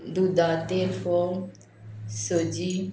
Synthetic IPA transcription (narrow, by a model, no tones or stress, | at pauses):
d̪ud̪at̪efo | sod͡ʒi